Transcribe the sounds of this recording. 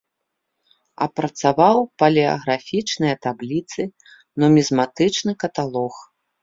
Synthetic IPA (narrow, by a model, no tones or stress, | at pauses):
ɐ̰pɾɐt̪savawpɐlʲɛɐ̰ɣɾafʲit͡ʂnɨjɐt̪ablʲit̪sɨ | nɔmʲizmat̪ɨt͡ʂnɨkɐt̪alˠɔx